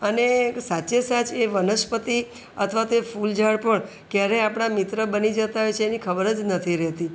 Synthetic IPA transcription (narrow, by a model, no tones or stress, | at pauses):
ənesat͡ʃesat͡ʃeʋənəʃpət̪i | ət̪ʰəʋat̪oefuld͡ʒaɽpəɳ | kjaɾeapɽ̃amit̪ɾəbənid͡ʒət̪aɦojt͡ʃʰeːnikʰəbəɾəd͡ʒnət̪ʰiɾɛɦt̪i